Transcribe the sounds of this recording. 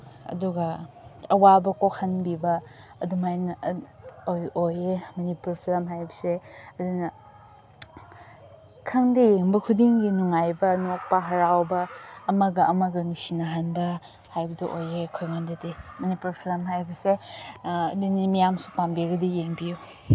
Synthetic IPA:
ɐ̰duɡɐ | ɐwabɐkokʰɐnbibɐː | dumajnɐ | ojojemɐnipuɾpʰilɐmɦajbɐseɐdunɐ | kʰɐŋdijeŋbɐkʰudiŋɡinuŋajbɐnok̚pɐɦɐɾawbɐːmɐɡɐʔɐmɐɡɐnusinaɦanbɐ | hajbɐduʔojekʰojŋandɐdimɐnipuɾpʰilɐmɦajbɐse | ɐdunimijamsu̥pambiɡɐdijeŋbiju

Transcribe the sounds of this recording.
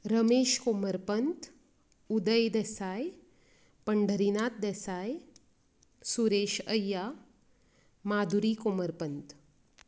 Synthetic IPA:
ɾəmeːʃkoməɾpənt̪ | ud̪əjd̪esaːj | pəɳɖʱəɾinaːt̪̚d̪esaːj | suɾeːʃəjːaː | maːd̪ʱuɾikoməɾpənt̪

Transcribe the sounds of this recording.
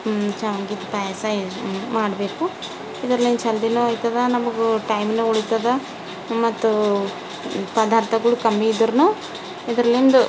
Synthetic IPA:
t͡ʃɐʋɐŋɡid̪upɐjaːsɐmaːɽɐbeːku | id̪ɐɾɐlːint͡ʃɐld̪inuɐjt̪ɐd̪ɐnɐmɐɡuʈɐjmneoɭit̪ɐd̪ɐ | mɐt̪ːu | pɐd̪aːɾt̪ʰɐɡɐɭukɐmːiːd̪ɐɾnu | id̪ɐɾɐlːind̪u

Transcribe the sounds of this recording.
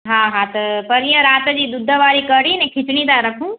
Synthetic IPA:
ɦãːɦãt̪ɐpɐɾijəɾaːt̪d͡ʑiːd̪ʊd̪ʱːəʋaːɾikɐɽinɛ̃kʰɪt͡ʃɽ̃it̪aɾɐkʰũː

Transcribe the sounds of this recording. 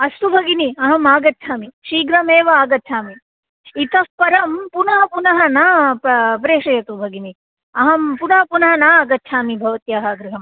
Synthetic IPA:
ɐst̪ubʱɐɡiniɐɦɐmaːɡɐt̪ːt͡ʃʰaːmiʃiːɡɾɐmeːʋɐaːɡɐt̪ːt͡ʃʰaːmi | it̪ɐspɐɾɐmpunɐɦɐpunɐɦɐnɐppɾeːʂɐjɐt̪ubʱɐɡini | ɐɦɐmpunɐɦɐpunɐɦɐnaːaːɡɐt̪ːʃʰaːmibʱɐʋɐt̪jaːɦɐɡɾiɦɐm

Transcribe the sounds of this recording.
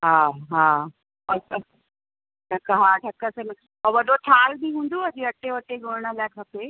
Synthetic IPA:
ɦaːɦaː | ɐ | ʈʰɐkəɦaːʈʰɐkəsən | ɔʋɐɗot̪ʰaːlbiɦũːn̆d̪oɐd͡ʑiɐʈeʋɐʈeɡʊɽ̤ɪɽ̃ə̆laːɪkʰɐpe

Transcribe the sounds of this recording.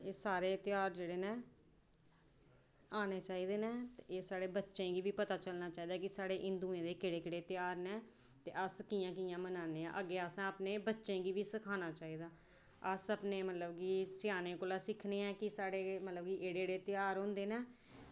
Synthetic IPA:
eːsaːɾeːt̪ɪjaːɾd͡ʒeːɽeːnẽː | aːneːt͡ʃaːiːd̪eːnẽːt̪ːeːsaːɽeːbətːʃẽːɡiːbiːpət̪aːt͡ʃəlnaːt͡ʃaːiːd̪aːkɪsaːɽeːʔɪ̃nd̪uːẽːd̪eːkɪɽeːkɪɽeːt̪ɪjaːɾnɛ̃ː | t̪ḛːʔəskiːjãːkiːãːmənaːneːã̰ːʔəɡːeːasãːəpneːbətːʃẽːɡiːʋiːsəkʰaːnaːt͡ʃaːiːd̪aː | əsəpneːmət̪ləbɡiːsɪjaːnẽːkoːlaːsɪkʰneːɛːkɪsaːɽeːmət̪ləbɡiːeːɽeːɽeːt̪ɪjaːɾɦõnd̪eːneː

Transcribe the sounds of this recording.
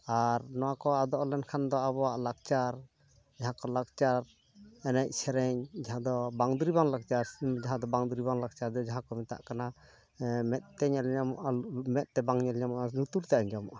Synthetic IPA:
aɾnɔwakɔad̪ɔʔɔlɛnkʰand̪ɔaβɔwaʔlak̚t͡ʃaɾ | d͡ʒaɦãkɔlak̚t͡ʃaɾ | ɛnɛc̚sɛɾɛɲd͡ʒaɦãd̪ɔbaŋd̪uɾibaŋlak̚t͡ʃaɾd͡ʒaɦãd̪ɔbaŋd̪uɾibaŋlak̚t͡ʃaɾd̪ɔd͡ʒaɦãkɔmɛt̪a̰ʔkana | mɛt̪̚t̪ɛɲalɲamɔʔamɛt̪̚t̪ɛbaŋɲɛlɲamɔʔanut̪uɾt̪aʔɛɲd͡ʒamɔ̰ʔa

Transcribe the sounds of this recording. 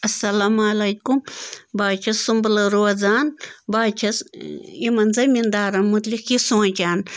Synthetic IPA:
ɐsːɐlamːlɐjkumbaːt͡ʃʰɐsumbɐlɐɾoɐzaːnbaːt͡ʃʰɐsimɐnzɐmʲind̪aːɾɐnmut̪likjisõːt͡ʃaːn

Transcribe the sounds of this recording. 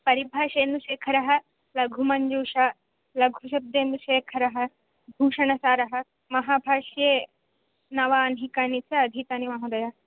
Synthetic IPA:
pɐɾibʱaːʃeːnd̪uʃeːkʰɐɾɐɦɐ̆ | lɐɡʱumɐɲd͡ʒuːʃaː | lɐɡʱuʃ̬ɐb̚d̪eːnd̪uʃeːkʰɐɾɐɦɐ̆ | bʱuːʃɐɳɐsaːɾɐɦɐ̆ | mɐɦaːbʱaːʃjeː | nɐʋaːnɦikaːnit͡sʰɐɐd̪ʱit̪aːnimaɦud̪ɐjaː

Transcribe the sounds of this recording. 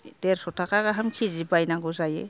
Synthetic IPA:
deɾsɔtʰakaɡaɦamkʰizibajnaɡɔzajḛ

